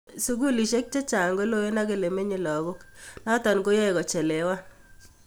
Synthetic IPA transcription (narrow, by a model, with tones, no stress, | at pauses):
su˦ɡu˦li˨ʃe˦k̚t͡ʃe˦t͡ʃa˨ŋɡo˦lo˦je˦na˦ke˨le˨me˦ɲɪ˨lɔ˨bʊ˦knɔ˦tɔ˨nko˦je˦˨ɣɔ˨t͡ʃe˨le˨wa˦